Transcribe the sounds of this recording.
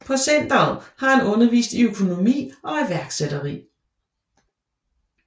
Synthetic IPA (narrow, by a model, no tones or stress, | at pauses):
pʰɒ̽sen̰d̥ɐhɑ̈hænɔ̽nɐʋḭːsd̥iøkʰo̝no̝mḭːɒ̽iʋæɐɡ̥sed̥ɐʁḭː